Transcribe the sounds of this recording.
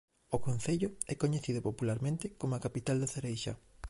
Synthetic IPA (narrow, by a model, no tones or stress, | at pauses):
okon̟θeʎʊɛkoɲeθiðʊpopulaɾmẽnt̪ɪkomʊakapit̪ald̪eθeɾejʃa̰